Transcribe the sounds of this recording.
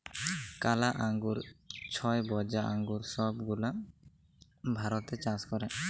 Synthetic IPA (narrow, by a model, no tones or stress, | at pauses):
kalaʔaŋɡuɾt͡ʃʰɔjbɔd͡ʒaʔaŋɡuɾsɔbɡula | bʱaɾɔt̪ɛt͡ʃãskɔɾɛ